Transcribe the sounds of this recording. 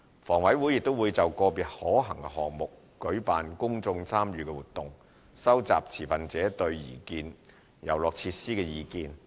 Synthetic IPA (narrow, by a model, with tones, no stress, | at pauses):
fɔː˨˩ŋwɐ˨˥jwuː˨˥jɪ˨k̚t̪o˥wuː˨˧jt͡sɐ˨wkɔː˧piː˨˩t̚hɔː˨˥ɦɐ˨˩ŋkɛ˧ɦɔː˨ŋ̚mʊ˨k̚ | kɵ˨˥ɥpaː˨nkʊ˥ŋt͡sʊ˧ŋt͡sʰaː˥mjyː˨˧kɛ˧wuː˨t̪ːʊ˨ŋ | sɐ˥wt͡sa̰ː˨p̚t͡sʰiː˨˩fɐ˨nt͡sɛː˨˥t̪ɵ˧ɥjiː˨˩kiː˧n | jɐ̰˨˩wlɔː˨k̚t͡sʰiː˧t̚siː˥kɛː˧jiː˨kiː˧n